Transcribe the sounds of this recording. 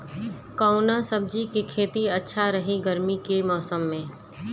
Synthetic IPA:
kaʊnasəb̚d͡ʒikikʰeːt̪iɐtːʃʰaɾɐɦiɡəɾmikemɔːsəmːẽː

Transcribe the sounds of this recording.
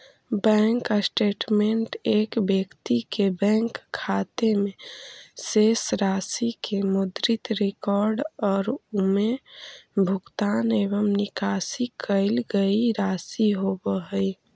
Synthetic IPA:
bɛ̃ŋkəsʈeʈmeɳʈekbjəkt̪ikebɛ̃ŋkʰːat̪emesesɾasikʰemud̪ɾit̪ɾekɔɾɖɔːɾume | bʱukt̪aneβəmnikasikəɪlɡəiɾasiɦobəɦəj

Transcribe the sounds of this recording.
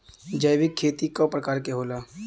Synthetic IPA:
d͡ʒəjʋɪkʰːeːt̪ikopɾəkaːɾkeɦoːlaː

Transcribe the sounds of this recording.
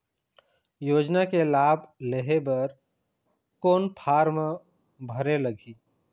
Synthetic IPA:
joːd͡ʒnakelaːbʱleɦebəɾ | koːnpʰaːɾmẽ | bʱəɾeləɡʱiː

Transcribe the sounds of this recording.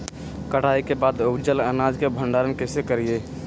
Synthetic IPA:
kəʈʰaikebaːd̪obd͡ʒələnad͡ʒkebʱəɳɖaɾənkesekəɾie

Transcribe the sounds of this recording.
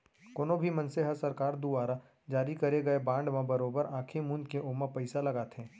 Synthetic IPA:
koːnõbʱimɐ̃nseɦɐsɐɾkaːɾd̪uʋaːɾa | d͡ʒaːɾikɐɾeɡɐebãːɳɖmãbɐɾoːbəɾãːkʰemũːnd̪keʔomãpəɪsalɐɡaːt̪ẽː

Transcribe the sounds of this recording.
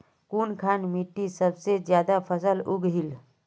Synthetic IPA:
kunkʰanmiʈːisəbsed͡ʒjad̪apʰəsəluɡɦil

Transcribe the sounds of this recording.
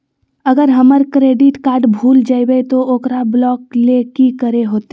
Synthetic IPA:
əɡəɾɦəməɾkɾeːɖɪʈkaːɾɖbʱuːld͡ʒaːibeet̪ooːkɾablɔːklekikəɾeɦoːt̪e

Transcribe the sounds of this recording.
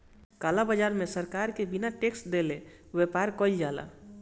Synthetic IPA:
kalabəd͡ʒaɾmesəɾkaɾkebinaʈeksʈd̪ele | wepaɾkɔld͡ʒala̰

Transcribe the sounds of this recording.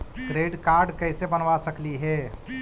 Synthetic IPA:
ʈɾeːɖkaːɾɖkɐɪsebənʋasəkliɦɛː

